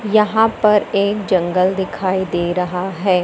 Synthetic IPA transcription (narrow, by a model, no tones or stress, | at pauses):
jɐɦãpɐɾeːk̚d͡ʒɐ̃ŋɡəld̪ɪkʰaːid̪eːɾɐɦaɦɛː